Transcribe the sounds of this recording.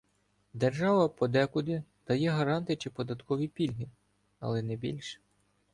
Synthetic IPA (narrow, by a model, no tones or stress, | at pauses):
d̪erʒɑʋɐpɔd̪ɛkʊd̪ɪd̪̥ɐjɛɦɐɾɑnt̪ɪjt͡ʃɪpɔd̪ɐt̪kɔʋʲipʲilʲɦi | ɐ̰lˠɛnɛbʲḭlʲʃ